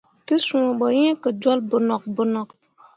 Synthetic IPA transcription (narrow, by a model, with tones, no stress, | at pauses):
tɨ˦sũ˨bɔ˨jɛ̃˦kɨ˨d͡ʒɔ˦lbʊ˨nɔ˨k̚bʊ˨nɔ˨k